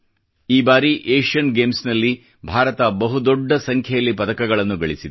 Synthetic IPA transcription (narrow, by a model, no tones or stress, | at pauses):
iːbaːɾiʔeːʂɐnɡeːmsnɐlːi | bʱaːɾɐt̪ɐbɐɦud̪ɔɖːɐsɐŋkʰjɐjɐlːipɐd̪ɐkɐɡɐɭɐnːuɡɐɭisid̪u